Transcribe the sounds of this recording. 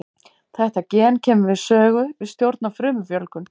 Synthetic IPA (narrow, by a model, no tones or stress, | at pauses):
θɛht̪acɛːncʰɛːmʏvɪðsœːɣʏvɪðst̪jowɾt̪nafɾʏːmʏfjœlkʏn